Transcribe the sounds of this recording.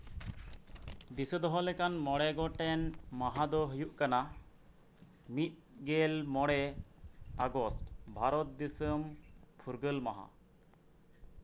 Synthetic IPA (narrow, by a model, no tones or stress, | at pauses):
d̪isəd̪ɔɦɔlɛkanmɔɽɛɡɔʈɛnmaɦad̪ɔɦujuʔkana | mit̪̚ˀɡɛlmɔɽɛ | aɡɔsʈbʱaɾɔt̪̚d̪isəmpʰuɾɡəlmaɦa̰